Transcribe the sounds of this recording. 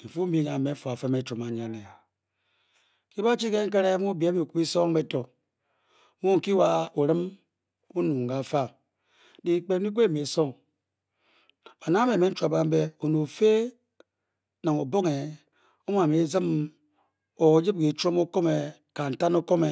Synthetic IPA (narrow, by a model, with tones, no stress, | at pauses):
m̩˨fu˦m̩˦bi˦˨ɲa˨me˨˦fu˨a˨fe˦me˨t͡ʃo˨ma˨ɲa˨ni˨a˨ | ki˦ba˦t͡ʃi˦ke˦ŋ̩˦k̬e˦ɾe˦mu˦be˦mi˨ku˨˦i˦so˦ŋ˦be˦to˨˦ | mu˦ŋ̩˨ki˦wa˦u˨ɾɨ˦m | u˦nu˨ŋ̩˨ɡa˨fa˦˨ | di˨k͡pe˨˦i˦ɡʷe˦˨me˨so˦˨ŋ | a˨na˦me˨me˦n̩˦t͡ʃa˨ba˦m̩˦be˦o˨nu˨fe˦ | na˨ŋo˨bo˦ŋe˨ | o˦m˦a˨me˨˦zi˦m | o˨˦d͡ʒi˦b̚ɡi˨t͡ʃo˦mo˦ko˦me˨ | ka˨n̩˨ta˦no˦ko˦me˨